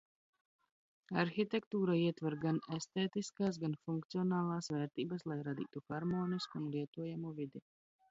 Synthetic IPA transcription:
aɾxit̪ɛkt̪uːɾaiɛt̪vɛɾɡanest̪eːt̪iskaːs̬ɡanfuŋkt̪siɔnaːlˠaːsvɛːɾt̪iːbɐslˠajɾad̪ḭːt̪uxaɾmoːniskunlˠiɛt̪uɔjamuːvid̪i

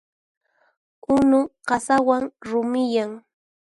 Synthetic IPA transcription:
ʊnʊɢɑsawaŋɾʊmɪjaŋ

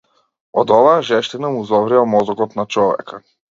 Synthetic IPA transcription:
ɔd̪ɔvaaʒɛʃt̪inamuizɔvɾiamɔzɔkɔt̪nat͡ʃɔvɛ̰ka

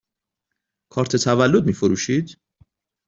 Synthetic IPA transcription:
kʰɒːɾt̪ʰet̪ʰævælːod̪̚miːfoɾuːʃiːd̪

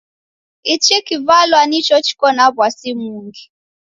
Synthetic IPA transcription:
it͡ʃikivalwanit͡ʃɔt͡ʃi̥kɔnabwasimuŋɡi

